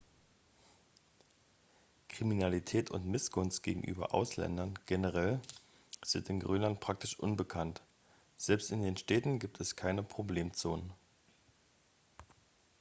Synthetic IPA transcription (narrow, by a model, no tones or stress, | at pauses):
kʁ̥iminalitʰɛːtʰʊ̰ntmɪsɡ̥ʊnstɡ̥eːɡŋ̩ʔy̰ːbɐ̰ʔa̰ʊslɛ̰ndɐnɡ̥enəʁ̞ɛl | z̥ɪntɪnɡʁyːnlant̚pʁ̥ak̚tɪʃʔʊ̰nbəkʰant | z̥ɛlpstɪndeːnʃtɛːtn̩ɡiːp̚tʰɛskʰaɪnəpʁ̥obleːmt͡soːnən